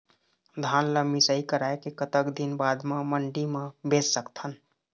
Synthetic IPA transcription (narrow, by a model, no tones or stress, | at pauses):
d̪ʱanləmisəikəɾaekekət̪əkd̪inbad̪meməɳɖimẽbessəkt̪ʰən